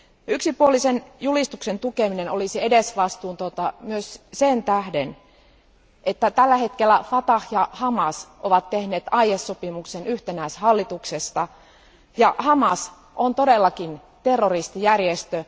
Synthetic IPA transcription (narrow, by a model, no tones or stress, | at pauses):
yksipuolisenjulist̪uksent̪ukeminenolisiedesʋɑst̪uːnt̪ot̪ɑmyøssent̪æhden | ʔet̪ːæt̪ælːæhet̪kelːˑæfɑt̪ɑhjɑhɑmɑsʔoʋɑt̪ːehneːt̪ɑiesːopimuksenyht̪enæishɑlːit̪uksest̪ɑ | jɑhɑmɑs | ʔont̪odelːɑkin | t̪erːorist̪ijærjest̪ø